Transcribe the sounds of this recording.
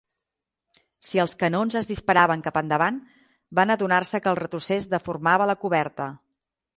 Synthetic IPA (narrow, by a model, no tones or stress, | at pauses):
siəlˠskənonzəzðispəɾaβəŋkapənd̪əβan | banəðunarsəkəlˠrət̪ɾusezðəfurmaβələkuβɛɾt̪ə